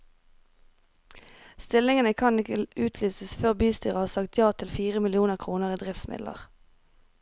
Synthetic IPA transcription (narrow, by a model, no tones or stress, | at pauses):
st̪ɪlɪŋənəkʰɑnɪkəʉːt̪ʰlyːsəsføːʁbyːst̪yːʁəɑːʁsɑkt̪ʰjɑːt̪ʰɪlfiːʁəmɪlɪuːnəʁkʰʁuːnəʁiːd̪ʁɪftsmɪ̰dlʔə̰ʁ